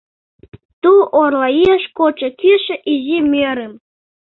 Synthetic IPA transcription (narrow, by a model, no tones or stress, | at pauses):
t̪uʔorlɑieʃkot͡ɕə̆kiʃĕʔizimeɾem